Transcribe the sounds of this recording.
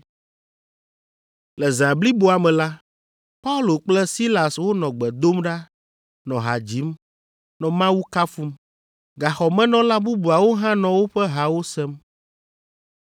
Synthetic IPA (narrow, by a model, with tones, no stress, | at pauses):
lɛ˨zã˨bli˦bo˨˦a˨mɛ̃˨la˦ | pa˦u˦lo˨k͡plɛ˦si˦la˨swo˦nɔ̃˨ɡ͡bɛ˨d̪o˦mɖa˦ | nɔ̃˨ɦa̰˨d͡ʑi˨˦m | nɔ̃˨mã˦wu˦ka˦fu˦m | ɡa˨xɔ˨mɛ̃˦nɔ̃˦la˦bu˦bu˨a˨wo˦ɦã˦nɔ̃˨wo˦ɸɛ˦ɦa˨wo˦sɛ˦m